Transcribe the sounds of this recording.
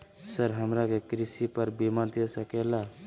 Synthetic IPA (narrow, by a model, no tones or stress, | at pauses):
səɾɦəmɾakekɾisipəɾbimənt̪esəkela